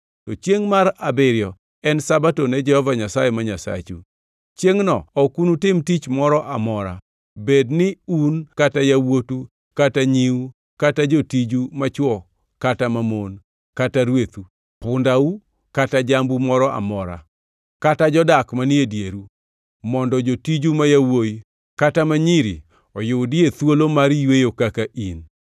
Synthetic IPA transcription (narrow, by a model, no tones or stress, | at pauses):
tot͡ʃjeŋmaɾabɪɾɪjɔ | ɛnsabatonɛd͡ʒɛhɔvaɲasajɛmaɲasa̰t͡ʃṵ | t͡ʃjeŋnɔɔkunutɪmtit͡ʃmɔɾɔʔamɔɾa̰ | bednɪunkatajawotu | kataɲiu | katad͡ʒotid͡ʒumat͡ʃwɔ | katamamon | kataɾwet̪u | pʊndau | katad͡ʒambumɔɾɔʔa̰mɔɾa̰ | katad͡ʒɔdakmaniedjeɾu | mɔndɔd͡ʒotid͡ʒumajawoj | katamaɲiɾḭ | ɔjʊdɪet̪wolomaɾijwejokakaʔin